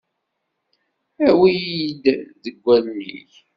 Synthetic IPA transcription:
æwijid̪ðəɡʷːælnḭç

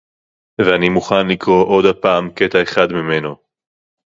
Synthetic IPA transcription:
veanimuχanlikʁo̞ʔo̞d̪apaːmket̪aeχad̪mime̞no̞

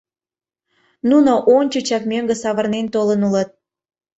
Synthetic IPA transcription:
nunoʔonʲt͡ɕət͡ɕɑkmʲøŋɡesɑβərnent̪olənulət̪̚

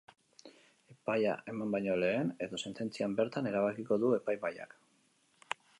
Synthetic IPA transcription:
e̞paja̰ʔe̞mambajɲo̞le̞ːne̞ðo̞se̞nt̪e̞nt͡siambe̞ɾt̪ane̞ɾaβ̞akiko̞ðue̞pajβaja̰k

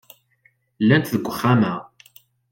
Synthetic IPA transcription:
lːænt̪ðəɡʷːəχːæmæ

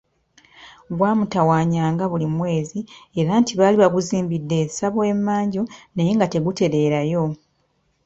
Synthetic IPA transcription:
ɡwaːmutawaːɲaːŋɡaβulimwe̞ːzieɾaːntiβaːliβaɡuziːmbidːe̞ːsaβoe̞mːaːɲɟunejeŋɡate̞ɡute̞ɾe̞ːɾajo̞

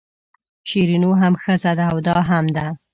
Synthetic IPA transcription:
ʃiɾinoɦamxəzad̪aːwd̪ɑɦamd̪a

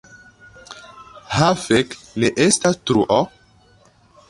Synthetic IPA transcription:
hafekneʔestastɾuʔɔ

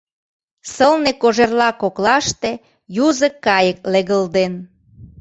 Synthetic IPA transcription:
səlnekoʒerlɑkoklɑʃt̪e | juzəkːɑjək̚leɣəld̪en

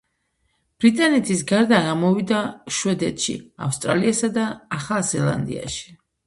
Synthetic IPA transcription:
b̥ɾit̪ʼanɛt̪ʰisɡaɾd̪aɡamɔvid̪aʃwɛd̪ɛt̪ʃḭa̰fst̪ʼɾa̰liasad̪aːχazɛlˠa̰nd̪ḭa̰ʃi̥

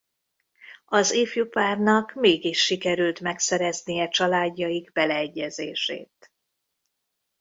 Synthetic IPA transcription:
ɒzeːfjupaːrnɒkmeːɡiʃːikɛɾylt̪mɛksɛɾɛznijɛt͡ʃɒlaːɟːɒjiɡbɛlɛːɟːɛzeːʃḛːt̪

